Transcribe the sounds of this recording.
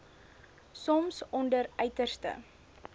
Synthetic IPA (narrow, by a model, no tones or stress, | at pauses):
sɔmsɔndərœɥtərstə̰